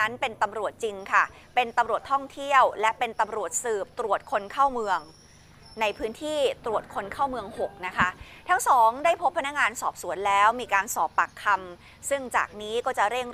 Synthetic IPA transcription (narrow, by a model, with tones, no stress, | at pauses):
a˦˥npe˧nt̪a˧mɾu˨˩ət̪̚t͡ɕi˧nkʰa˥˩ | pe˧nt̪a˧mɾu˨˩ət̪ʰːɔ˥˩ŋt̪ʰi˥˩əwlɛ˦˥pe˧nt̪a˧mɾu˨˩ət̪̚sɯː˨˩p̚t̪ɾu˨˩ət̪̚kʰo˧nkʰa˥˩wmɯ˧əŋ | na˧jpʰɯː˦˥nt̪ʰiː˥˩t̪ɾu˨˩ət̪̚kʰo˧nkʰaː˥˩wmɯ˧əŋho˨˩k̚na˦˥kʰa˦˥ʔt̪ʰa˦˥ŋsɔː˩˦ŋdaː˥˩jpʰo˦˥pʰːa˧na˥k̚ŋaː˧nsɔː˨˩p̚su˨˩˦ənlɛː˦˥wmiː˧kaː˧nsɔː˨˩pːa˨˩kʰːa˧m | sɯ˥˩ŋt͡ɕa̰ː˨˩k̚niː˦˥kɔː˥˩t͡ɕa˨˩ɾe˥˩ŋ